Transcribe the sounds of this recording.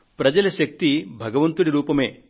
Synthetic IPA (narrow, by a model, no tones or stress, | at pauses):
pɾɐd͡ʒɐlɐʃɐk̚t̪ibʱɐɡɐʋɐnt̪uɽiɾuːpɐmḛː